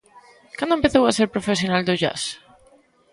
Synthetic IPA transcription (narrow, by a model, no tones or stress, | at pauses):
kand̪ʊempeθowaseɾpɾofesjonald̪ʊʝa̰s